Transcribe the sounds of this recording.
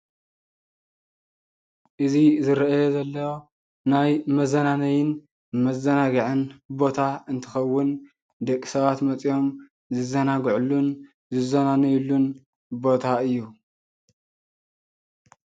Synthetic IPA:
ʔɨzizɨɾɐʔjozɐlːɐwo | najmɐzɐnanɐjɪn | mɐzɐnaɡɐʕɨnbo̞t̪ʰaɨnt̪ʰɨxɐwːʊn | d̪ɐkʼːi̥sɐβat̪mɐt͡sʼijo̞m | zɨzɐnaɡʕulːun | zɨzɐnanɐjulːun | bo̞t̪ʰaɨjːu

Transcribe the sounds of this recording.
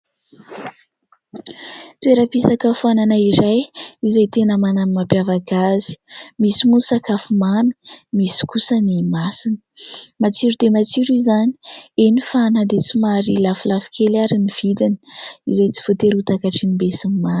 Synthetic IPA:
t̪ueɾəpisakəfuananaiɾajizajt̪enəmananmapjavaɡazi̥misimusakafumanu̥misi̥kusənimasinə̥mat͡siɾud̪emat͡siɾizanienifanəd̪et͡simaɾilafulafi̥kʲʰelaɾiniv̥id̪ini̥izajt͡si̥v̥ot̪eɾut̪akaʈ͡ʂinimbesimima

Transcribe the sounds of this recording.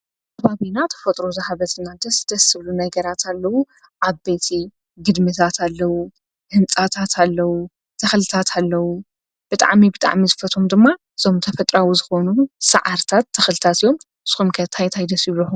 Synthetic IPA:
kʰɐβaβinat̪ʰɐ̥fɐt̪ʼɾozɐhaβɐt̪ʰɨnːad̪ɐsd̪̥ɐsɨβlunɐɡɐɾat̪ʰalːɐwu | ʔaβbet̪ʰi | ɡɨd̪mɨt̪ʰat̪ʰalːɐwu | hɨnt͡sʼat̪ʰat̪ʰalːɐwu | t̪ʰɐxlɨt̪ʰat̪ʰalːɐwu | b̥ɨt̪ʼa̰ʕmibɨt̪ʼa̰ʕmizɨfɐt̪ʰʼomd̪ɨmːa | ɨz̥o̞mt̪ʰɐfɐt̪ʼɾawuzɨxo̞nusɐ̰ʕaɾt̪ʰat̪ʰːɐxlɨt̪ʰat̪ijo̞m | sɨ̥xumkʰɐt̪ʰajt̪ʰajd̪ɐsjɪβlɨħu

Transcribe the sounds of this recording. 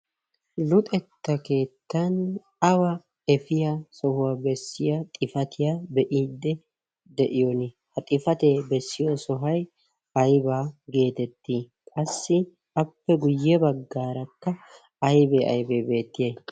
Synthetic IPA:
lʊt̪ʼɛt̪ːɐke̞ːt̪ːɐn | ɐwɐ | ɛfɪjasɔhʊwaːbɛsːɪjat̪ʼɪfɐt̪ɪjabɛʔiːd̪ːɛ | d̪ɛʔɪjɔnɪ | hɐt̪ʼɪfɐt̪eːbɛsːɪjɔsɔɦɐj | ɐjbaːɡe̞ːt̪ɛt̪ːiː | kʼɐsːɪ | ɐpːɛɡʊjːɛbɐɡːaːɾɐkːɐ | ɐjbeɐ̰jbeːbe̞ːt̪ːɪjeː

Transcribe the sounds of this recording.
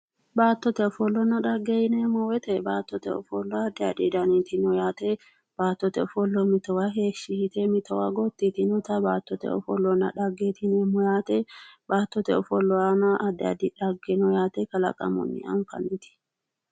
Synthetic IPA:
baːt̪ːɔt̪ɛɔfɔlːɔnɐᶑɐɡːejɪnɛmɔwɛt̪ɛbaːt̪ːɔt̪ɛ̰ɔ̰fɔlːɔɐd̪ɪɐd̪id̪ɐnit̪ɪnɔjaːt̪ɛ | b̥aːt̪ːɔt̪ɛɔfɔlːɔmɪt̪ɔwaɦeːʃɪhɪt̪ɛmɪt̪ʰɔwaɡɔt̪ːit̪ɪnɔt̪ɐbaːt̪ːɔt̪ɛ̰ɔ̰fɔlːɔnɐ̰ᶑɐɡːeːt̪ɪnɛmɔjaːt̪ɛbaːt̪ːɔt̪ɛɔfɔlːɔanaʔɐd̪ːɐ̰d̪ɪᶑɐɡːɛnɔjaːt̪ɛkɐlɐ̰kʼɐ̰mɔ̰nːɪ̰ɐ̰nfɐ̰nːit̪ɪ̥

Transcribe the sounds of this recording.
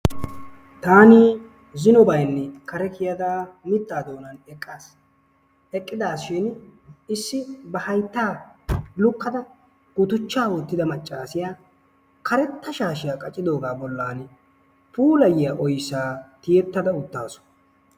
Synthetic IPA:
t̪aːni | zɪnɔbɐjnːɛkɐɾɛkɪjɐd̪aːmɪt̪ːaːd̪o̞ːnɐnɛkʼːaːs | ɛkʼːɪd̪aːsʃɪnɪsːɪbɐhɐjt̪ːaːlʊkːɐd̪ɐ | ɡ̥ʊt̪ʊt͡ʃːaːwoːt̪ːɪd̪ɐmɐt͡ʃʼːaːsɪjaː | kɐɾɛt̪ːɐʃaːʃɪjakʼɐt͡ʃʼːɪd̪o̞ːɡaːbɔlːaːn | puːlɐjɪjaʔɔjsːaːt̪ɪjɛt̪ːɐd̪ɐʊt̪ːaːsɔ̥

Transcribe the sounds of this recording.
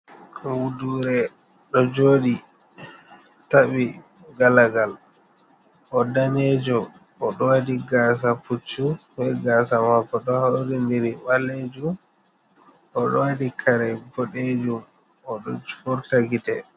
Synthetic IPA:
wuduɾɛ | ɗɔd͡ʒoːɗi | taɓi | ɡalaɡal | ʔɔdaned͡ʒɔ | ɔɗɔwadiɡaːs̬aput͡ʃːubɛɡasamakːɔɗɔhaɾindiɾiwalːed͡ʒum | ɔɗɔwadikʰaɾɛɡɔɗed͡ʒum | ɔɗɔfɔɾtaɡitɛ

